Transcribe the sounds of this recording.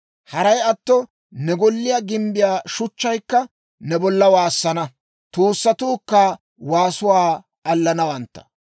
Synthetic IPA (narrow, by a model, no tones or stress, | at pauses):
hɐɾɐjɐt̪ːɔ | nɛɡɔlːɪjaːɡɪmbɪjaːʃʊt͡ʃːɐjkːɐ | nɛbɔlːɐwaːsːɐnɐ | t̪uːsːɐt̪uːkːaː | waːsʊwaː | ʔɐlːɐnɐwɐnt̪ːɐ̥